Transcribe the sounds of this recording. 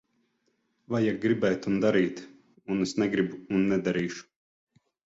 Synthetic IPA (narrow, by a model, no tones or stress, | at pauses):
vajaɡɾibɛjt̪und̪aɾiːt̪ | unusnɛɡɾibuːnːɛd̪aɾiːʃu̥